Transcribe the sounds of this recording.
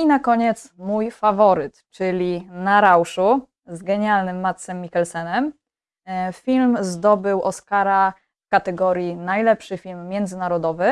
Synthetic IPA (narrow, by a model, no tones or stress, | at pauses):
inakɔɲɛt̪smujfavɔɾɘt̪t͡ʂɘlʲinaɾawʂu | zɡɛɲalnɘmːat̪sɛmːʲikɛlsɛnɛm | fʲilmzd̪ɔbɘwʔɔskaɾa | fkat̪ɛɡɔɾʲjinajlɛpʂɘfʲilmːʲjɛnd̪zɘnaɾɔd̪ɔvɘ